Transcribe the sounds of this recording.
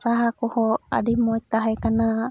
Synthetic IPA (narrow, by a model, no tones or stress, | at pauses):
ɾaɦakuhɔa̰dimoit̪aɦakana